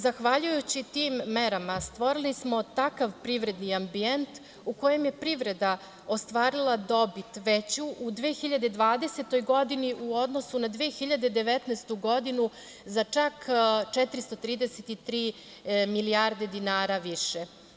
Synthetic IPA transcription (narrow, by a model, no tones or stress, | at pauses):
zaxʋaʎujut͡ɕit̪iːmːeɾamast̪ʋo̞ɾilismo̞t̪akaʋpɾiʋɾe̞d̪niambient̪ | uko̞je̞mje̞pɾiʋɾe̞d̪a | ost̪ʋaːɾilˠad̪o̞bit̪ʋet͡ɕuʔud̪ʋeːxiʎad̪ed̪ʋaːd̪e̞se̞t̪o̞jɡo̞d̪iniʔuo̞d̪no̞sunad̪ʋeːxiʎad̪e̞d̪e̞ʋet̪naːst̪uɡo̞d̪inu | zat͡ʂakt͡ʃɛt̪ɾist̪o̞t̪ɾiːd̪eset̪it̪ɾiː | miliaɾd̪e̞d̪inaːɾaʋiʃe